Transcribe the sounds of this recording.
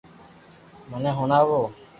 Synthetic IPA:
məneːɦʊnaːʋoː

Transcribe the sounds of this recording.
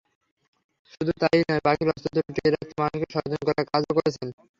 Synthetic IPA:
ʃud̪ʱut̪ajnɔepakiɾɔst̪ot̪oɾʈieɾak̚t̪ʰemanuʃkeʃɔɾd͡ʑonkɔɾaɾkad͡ʑokoɾet͡ɕʰen

